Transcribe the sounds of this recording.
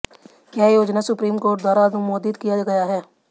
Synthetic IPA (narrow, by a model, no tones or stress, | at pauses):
kaːjoːd͡ʒnasʊpɾiːmkoːɾʈ̚d̪waːɾaɐd̪ʊmoːd̪ːɪd̪kijaɡɐjaɦɛː